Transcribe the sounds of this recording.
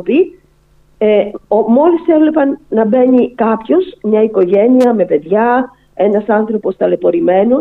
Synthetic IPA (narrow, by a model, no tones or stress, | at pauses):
pi | eomo̞lisθevlepɐnːɐbeɲikɐpço̞smɲɐiko̞ʝeniɐme̞pe̞ðʝɐ | enɐsɐnθɾo̞po̞st̪ɐle̞po̞ɾimeno